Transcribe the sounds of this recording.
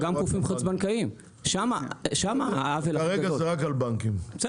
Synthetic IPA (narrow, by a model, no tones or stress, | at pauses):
ɡamkufimχat͡sbankaim | ʃamaʃamaaavelaaʁeɡaozeʁakalbaŋkimbe̥se